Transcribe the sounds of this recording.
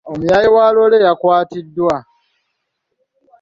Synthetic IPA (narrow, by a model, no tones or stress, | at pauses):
omujajiwaːlo̞lejakwaːtidːwa